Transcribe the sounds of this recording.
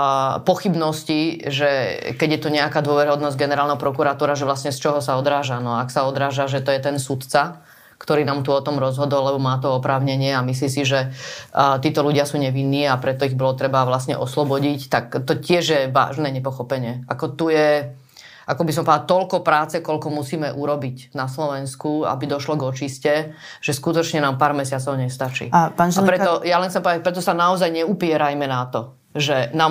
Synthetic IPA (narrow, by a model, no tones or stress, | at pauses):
pɔxibnɔsciʒɛkɛɟjɛt̪uɲɛakaːd̪ʊɔʋɛɾiɦɔd̪nɔzɟɡɛnɛɾaːlnɛɦɔpɾɔkuɾat̪uːɾaʒɛʋlasɲɛst͡ʃɔɦɔsaɔd̪ɾaːʒanɔaksaɔd̪ɾaːʒaʒɛt̪ɔjɛt̪ɛnsut̪t͡sa | kt̪ɔɾiːnaːmt̪uɔt̪ɔmɾɔzɦɔd̪ɔlːɛbɔmaːt̪ɔɔpɾaːʊɲɛɲɪɛamis̬lisiʒɛ | t̪iːt̪ɔluɟɪasuːɲɛʋinːiːapɾɛt̪ɔiɣbɔlɔt̪ɾɛbaʋlasɲɛ̰ʔɔslɔbɔɟict̪akt̪ɔcɪɛʒjɛʋa̰ːʒnɛːɲɛpɔxɔpɛɲɪɛakɔt̪ujɛ | akɔbis̬ɔmpɔd̪at̪ɔlkɔpɾaːt͡sɛkɔʎkɔmusiːmɛʔuɾɔbicnaslɔʋɛnskua̰bid̪ɔʃlɔɡɔt͡ʃiscɛʒ̥ɛskut̪ɔt͡ʃɲɛnaːmpaːɾmɛsɪat͡sɔʊɲɛst̪at͡ʃḭaaapɾɛt̪ɔjalɛnxt͡sɛmpɔd̪apɾɛt̪ɔsanaɔzajɲɛupɪɛɾajmɛnat̪ɔ | ʒɛnaːm